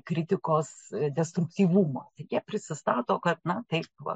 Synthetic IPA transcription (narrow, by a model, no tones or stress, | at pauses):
kɾʲɪt̪ʲɪkoːsd̪ʲɛst̪ɾʊkt̪ʲiːʋuːmɐt̪ʲɐɪjʲiɛpʲɾʲɪsʲɪst̪ɑːt̪oːkɐt̪nɐt̪ɐɪp̚ʋɐ̰